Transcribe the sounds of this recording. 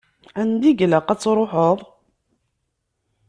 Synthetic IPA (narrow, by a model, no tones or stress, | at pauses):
ænd̪iɡləqæt͡sːɾˤoħəðˤ